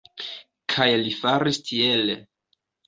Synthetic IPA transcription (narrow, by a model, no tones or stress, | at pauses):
kʰajlifaɾistʰiele